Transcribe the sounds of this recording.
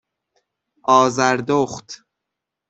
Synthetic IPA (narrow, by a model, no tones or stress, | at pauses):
ʔɒːzæɾd̪oχt̪